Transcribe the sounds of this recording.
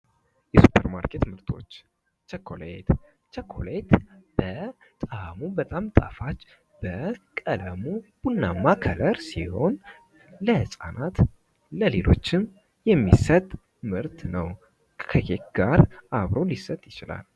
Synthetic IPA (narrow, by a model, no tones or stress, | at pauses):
jɛsu̥pʰːəɾmaɾkʰe̞t̪mɨɾt̪ʰo̞̰t͡ʃː | t͡ʃɛkʰːolejt̪ | t͡ʃɛkʰːo̞let̪b̥ə | t̪ʼamubət̪ʼamt̪ʼafat͡ʃː | b̥əkʼələmub̥unːamːakʰələɾsiho̞n | ləhɨsʼa̰nat̪ | ləle̞lo̞̰t͡ʃːɪn | jɛmːisət̪ʼ | mɨɾt̪ʰnəw | kʰəkek̪ɡ̥aɾaβɾo̞lisət̪ʼjɪt͡ʃɪla̰l